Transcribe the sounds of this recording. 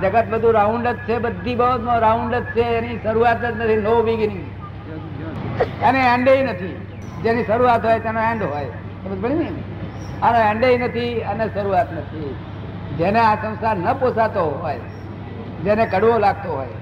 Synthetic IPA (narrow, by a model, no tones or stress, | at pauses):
d͡ʒəɡət̪̚bəd̪ʱũɾaʊ̃ɳɖət̪̚t͡ʃʰebəd̪ʱibəɦot̪mãɾaʊ̃ɳɖət̪̚t͡ʃʰeeniʃəɾuat̪ət̪nət̪ʰinoʋĩɡinĩɡi | əneɛ̃ɳɖeinət̪ʰi | d͡ʒeniʃəɾuat̪ɦoːjt̪enõɛ̃ɳɖɦoːj | t̪ebəibəɽ̃inin | anoɛ̃ɳɖeinət̪ʰiəneʃəɾuat̪nət̪ʰi | d͡ʒeneãsə̃ʊ̃sanəposat̪oɦoːj | d͡ʒenekəɽʋõlaɡ̚t̪oɦo̰ːj